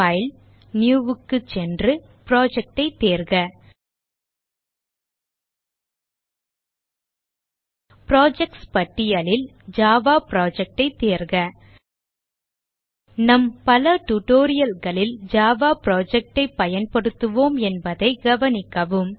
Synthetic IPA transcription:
ɐɪl | njuːʋɯkːɯt͡ʃɛndrɯ | pɾoːd͡ʒɛk̚ʈɐɪt̪ːeːɾɣɐ | pɪɾoːd͡ʒɛk̚ʈspɐʈːɪjɐlɪl | d͡ʒaːʋaːpɾoːd͡ʒɛk̚ʈɐɪt̪ːeːɾɣɐ | nɐmpɐlɐʈuʈoːɾɪjɐlɣɐɭɪld͡ʒaːʋaːpɾoːd͡ʒɛk̚ʈɐɪpːɐjɐnpɐɽɯt̪ːɯʋoːmɛnbɐðɐɪɡɐʋɐnɪkːɐʋɯm

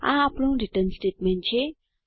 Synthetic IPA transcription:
ã̰apnõɾiʈənsʈeʈment͡ɕʰe

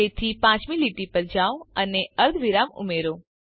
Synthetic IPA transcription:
et̪ʰipãt͡ʃmiliʈipəɾd͡ʒaʋəneəɾd̪ʱʋiɾamṵmeɾo

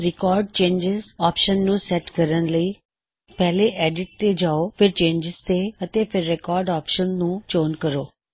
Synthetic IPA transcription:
ɾɪkɔːɾɖ̚t͡ʃẽːnd͡ʒɪzɔːpʃənːũsɛʈkəɾənləi | pɛɦleʔɛːɖɪʈ̚t̪ed͡ʒaːofʰɪɾt͡ʃẽːnd͡ʒɪzt̪eət̪epʰɪɾːɛkɔːɾɖɔːpʃənːũːt͡ʃoːnkəɾoː

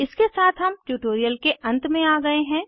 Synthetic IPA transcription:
ɪskesaːt̪ʰɦɐmʈuːʈoːɾijəlkeʔɐ̃nt̪mẽaːɡɐeɦɛ̃ː

